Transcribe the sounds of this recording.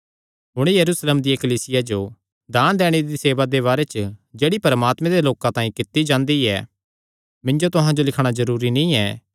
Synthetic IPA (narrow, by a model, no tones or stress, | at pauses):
ɦʊɽ̃ejɐɾuːsleːmd̪ijɐkɐliːsɪjad͡ʒo | d̪aːñd̪ɛːɽ̃ed̪iseːʋad̪eβaːɾɛt͡ʃəd͡ʒeːɽipɐɾmaːt̪mɛ̃d̪eloːkãt̪ãːĩkɪt̪ːid͡ʒãːnd̪iɛ̰ | mɪ̃nd͡ʒot̪ʊɦãd͡ʒolɪkʰɽ̃azɐɾuːɾinĩɛː